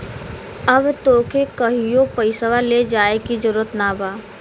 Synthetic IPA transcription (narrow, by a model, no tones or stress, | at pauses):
əbt̪oːkʰekəɦijopəɪsəʋaled͡ʒaːekizəɾuɾət̪naːbaː